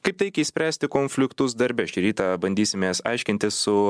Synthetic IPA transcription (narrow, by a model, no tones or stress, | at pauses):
kɐɪpt̪ʲɐɪkʲɛisʲpʲɾʲæːsʲt̪ʲɪkoːnʲfʲlʲɪkt̪ʊs̬d̪ɐɾʲbʲɛʃt͡ʃʲɪɾʲiːt̪ɑbɐnʲd̪ʲiːsʲɪmʲeːsɐ̰ɪʃʲkʲɪnʲt̪ʲɪsːʊ